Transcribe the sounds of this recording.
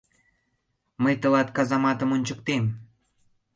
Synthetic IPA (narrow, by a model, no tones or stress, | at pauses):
məjt̪ə̆lɑt̪kɑzɑmɑt̪əmonʲt͡ɕəkt̪em